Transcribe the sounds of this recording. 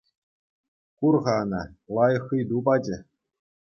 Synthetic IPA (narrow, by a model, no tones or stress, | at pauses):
kurʁɑnɑlˠɑjɤχɯjd̪ubɑd͡ʑɘ̆